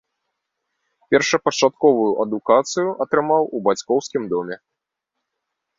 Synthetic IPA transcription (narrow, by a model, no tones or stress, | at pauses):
pʲɛrʂɐpɐt͡ʂat̪̚kɔvujuʔɐd̪ukat̪sɨjuʔɐt̪ɾɨmawubat͡sʲkɔwskʲimd̪ɔmʲɛ